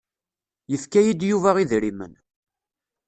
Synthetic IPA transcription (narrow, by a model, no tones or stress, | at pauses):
jəfkæjid̪juvæʁiðɾimə̰n